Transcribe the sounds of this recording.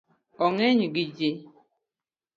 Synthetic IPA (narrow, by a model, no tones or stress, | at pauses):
ɔŋeɲiɡid͡ʒe